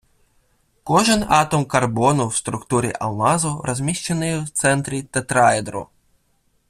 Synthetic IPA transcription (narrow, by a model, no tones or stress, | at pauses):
kɔʒɪnɑt̪ɔmkɐrbɔnʊwst̪ɾʊkt̪uɾʲḭʔɐ̰lˠnɑzʊɾɔzʲmʲiʃt͡ʃenɪjwt̪sɛnt̪ɾʲit̪ɛt̪ɾɑjɛd̪ɾʊ̰